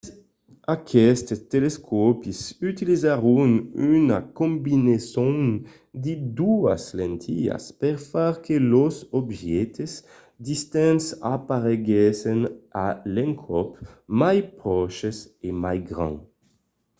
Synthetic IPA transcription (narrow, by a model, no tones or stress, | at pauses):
akʰɛst̪t̪eleskʰɔpisyt̪ilizaʁunynakɔ̃mbinesɔ̃n | d̪id̪uaslɛ̃nt̪ʰia̰spɛʁfaʁkʰelosɔbʒɛt̪əs | d̪ist̪ɛ̃nsapaʁeɡɛsɛnalɛ̃ŋkʰɔpmajpʁɔʃəsemajɡʁɑ̰̃